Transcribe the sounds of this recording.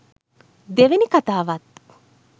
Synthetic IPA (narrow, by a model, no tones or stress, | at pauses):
d̪eʋenikat̪aːʋat̪̚